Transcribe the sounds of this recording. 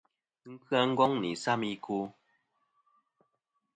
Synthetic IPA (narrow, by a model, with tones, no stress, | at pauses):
kɨ˦a˧ŋ̩˦ɡɔ˦ŋnḭ˨sa˦mi˦ku˦